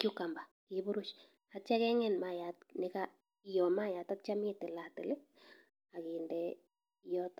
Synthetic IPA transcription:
kjukambakibuɾʊt͡ʃ | hatt͡ʃakɛŋɛnmajat̚nɪka | jɔmajat̪ap̚t͡ʃamitɪlatɪle | akindɛ | jɔt̪

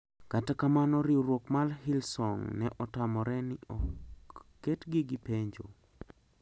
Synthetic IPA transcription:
katakamanɔɾiɾwokmalɦilsɔŋnɛʔɔtamɔɾɛnɪɔː | etɡɪɡɪpeɲd͡ʒo̰

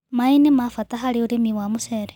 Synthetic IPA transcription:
mainimafatʼaɦaliuɾimiwamuseɾe

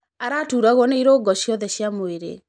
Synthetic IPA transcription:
aɾatuːɾaɣwɔneiɾoɡɔʃjɔðɛɕiamoeɾḛ

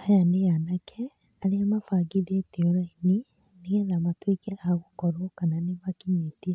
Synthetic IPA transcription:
ajaneɣanakʰɛ | aɾeamafaɡiðeteɔɾaini | neɣɛnamatwekɛʔaɣokɔɾokananemakiɲetia

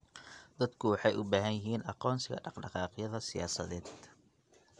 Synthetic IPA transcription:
d̪ɐd̪kʰʊwɑħɑjʔʊbaːɦɐnjɪɦiːnʔɑqɔːnsɪɣɐ̰ɖɑqɖɑqɑːqjɐðɐsɪjaːsɐ̰ðɛːd̪

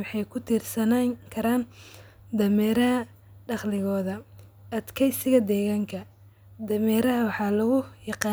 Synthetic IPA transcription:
wɑħɑjkʰʊt̪ʰiːrsɐnaːŋkʰɐɾaːn | d̪ɐmɛːɾɐɦɐ | ɖɑχlɪɣɔːðɐ | ɐd̪kʰɛjsɪɣɐd̪ɛːɣaːŋkʰɐ | d̪ɐmɛːɾɐɦɐwɑħɑːlɐɣʊjɑqɑː

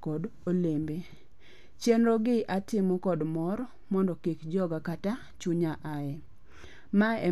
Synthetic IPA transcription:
kɔdolembe | t͡ʃenɾɔɡɪʔatɪmɔkɔdmɔɾ | mɔndɔkekd͡ʒɔɡakata | t͡ʃuɲaʔaɛ | maɛ

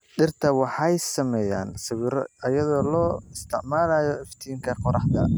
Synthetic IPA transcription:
ɗɪrt̪ʰɐwɑħɑjsɐmɛːja̰ːnsɪwɪɾɔ̰ɐjɐðɔːlɔːɪst̪ʰɪʕmaːlaːjɔɪft̪ʰiːŋkʰɐqɔɾɑħd̪ɐ̰

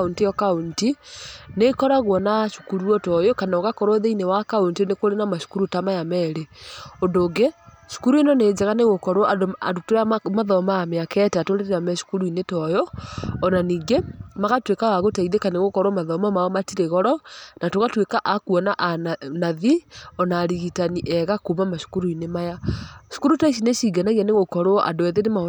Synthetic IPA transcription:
untijɔkauntinekɔɾaɣwɔnaʃu̥kuɾuɔtɔjɔkanaoɣakɔɾwɔðeinewakauntinekoɾenamaʃu̥kuɾutamajamɛɾeondoɡe | ʃu̥kuɾuinɔned͡ʒaɣaneɣokɔɾwɔada̰dutoɾamaðɔmaːmeakɛtatoɾeɾeamɛʃu̥kuɾuinetɔjɔːnaniːŋɡemaɣatwekawaɣotaiðekaneɣokɔɾwamaðɔmamaɔmatiɾeɣɔɾɔnatoɣatwekaʔakuɔnaʔnaðiɔnaːɾiɣitaniʔɛɣakumamaʃo̥kuɾuinemajaʃo̥kuɾutaiʃ̬ineʃiɡanaɣianeɣokɔɾoɔʔa̰doɛðenema

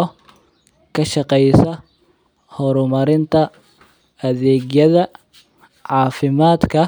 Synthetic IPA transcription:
ɔ | kʰɐʃɑqɛjsɐ | hɔɾʊmɐɾɪnt̪ʰɐ | ɐðɛːɡjɐðɐ | ʕɑːfɪmaːd̪kʰɐ

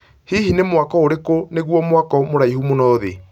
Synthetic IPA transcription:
hihinemwakɔoɾekoneɣwɔmwakɔmoɾaihumonɔðḛ

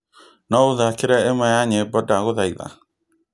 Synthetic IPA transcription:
nɔoðakeɾɛemɛjaɲebɔdaɣoðaiða̰

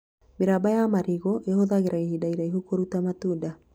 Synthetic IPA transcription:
meɾabajamaɾiɣoʔehoðaɣeɾaihidaiɾaiɦokoɾutamatuda

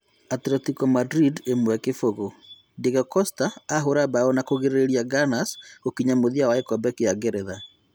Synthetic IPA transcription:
atɾɛtikɔmadɾidemwɛkefoɣo | deɣɔkɔstaːɦoɾabaɔnakoɣeɾeɾeɾiaɡanasɣokiɲamoðiawaekɔbɛkeaɡeɾɛða

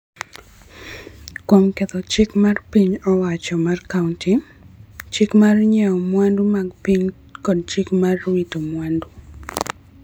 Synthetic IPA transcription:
kwomket̪ɔt͡ʃɪkmarpiɲɔwat͡ʃɔmarkaunti | t͡ʃɪkmarɲɛɔmwandumaɡpiɲ | kɔd̚t͡ʃɪkmarwitomwandu

